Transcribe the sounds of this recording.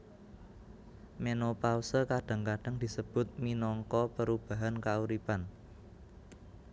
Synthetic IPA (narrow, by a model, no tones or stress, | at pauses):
menopausəkaɖ̥a̤ŋkaɖ̥aŋd̪̥i̤səb̥ʊ̤t̪̚minɔŋkɔpəɾub̥a̤ɦankauɾipan